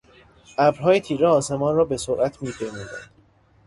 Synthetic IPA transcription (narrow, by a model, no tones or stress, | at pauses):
ʔæbɾɦɒːjet̪ʰiːɾeɒːse̞mɒːnrɒːbe̞soɾʔæt̪ʰmiːpʰejmuːd̪æ̰nd̪̥